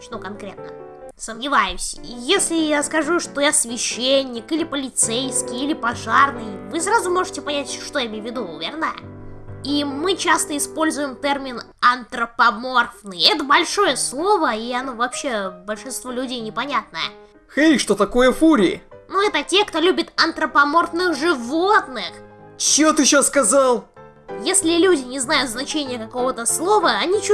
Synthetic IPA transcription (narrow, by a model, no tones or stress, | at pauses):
ʂt̪okɐnkɾʲe̞̰t̪̚nə | səmnʲɪvajɪmsʲəjesʲlʲɪjaskɐʐuʂt̪ojasvʲɪɕːenʲːɪkɨlʲɪpəlʲɪt̪sejskʲɪjilʲɪpɐʐarnɨjvɨsɾazʊmo̞ʐɨtʲɪpɐnʲætʲʂt̪o̞jaɪmʲejvʲɪd̪uvʲḛrnə | imɨt͡ɕast̪əɪspo̞lʲzʊjɪmt̪ɛrmʲɪn | ɐnt̪ɾəpɐmorfnɨjɛt̪əbɐlʲʂo̞jəslˠo̞vəiɐno̞vɐpɕːe̞bəlʲʂɨnst̪volʲʉdʲejnʲɪpɐnʲat̪̚nəjə̰ | xejʂt̪ot̪ɐko̞jəfuɾʲɪɪnuɛt̪ətʲe̞kt̪o̞lʲubʲɪt̪ɐnt̪ɾəpɐmorfnɨxʐɨvot̪nɨxt͡ɕɪot̪ɨɕoskɐzɑlˠ | jesʲlʲɪlʲudʲɪnʲɪznajʊt̪znɐt͡ɕenʲɪjəkɐko̞vət̪əslˠo̞vəɐnʲit͡ɕ